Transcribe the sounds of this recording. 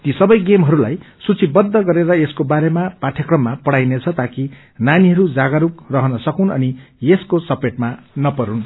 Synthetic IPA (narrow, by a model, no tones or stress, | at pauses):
t̪isʌbʌjɡemɦʌɾulaj | sut͡sʰibʌd̪ːʌɡʌɾeɾʌeskobaɾemapaʈʰjʌkrʌmːapʌɽajnet͡sʰʌt̪aki | naniɦʌɾud͡zaɡaɾukrʌɦʌnʌsʌkunʌ̰nijeskosʌpeʈ̚manʌpʌɾun